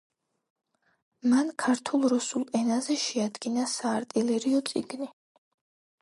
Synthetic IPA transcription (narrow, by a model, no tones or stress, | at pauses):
mankʰaɾt̪ʰulˠɾusulˠɛnazɛʃɛad̪ɡinasaːɾt̪ʼilɛɾiɔt̪sʼḭɡni